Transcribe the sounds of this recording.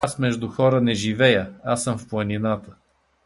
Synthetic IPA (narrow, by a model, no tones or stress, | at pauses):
smɛʒd̪ʊxɔɾənɛʒivɛjəasəmfplˠɐninat̪ə